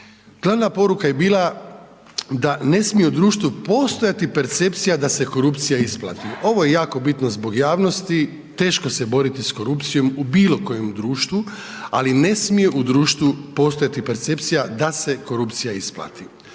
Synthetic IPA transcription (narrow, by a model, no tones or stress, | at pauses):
ɡ̥lˠaʋnapo̞ɾukaje̞biːlˠa | d̪ane̞smijeud̪ɾuːʃt̪ʋupo̞st̪o̞jat̪ipe̞ɾt̪se̞pt̪sijad̪ase̞ko̞ɾupt̪sijaisplˠa̰ːt̪io̞ʋoje̞jaːko̞bit̪nozbo̞ɡjaːʋno̞st̪i | t̪e̞ːʃkosebo̞ɾit̪isko̞ɾupt̪sijo̞mubiːlˠo̞ko̞je̞md̪ɾuːʃt̪ʋualine̞smije̞ʔud̪ɾuːʃt̪ʋupo̞st̪o̞jat̪ipeɾt̪se̞pt̪sijad̪ase̞ko̞ɾupt̪sijaisplˠa̰ːt̪i